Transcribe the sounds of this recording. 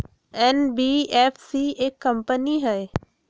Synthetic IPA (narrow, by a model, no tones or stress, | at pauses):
ɛːnbieːfsiekːɐ̃mpəniɦɐe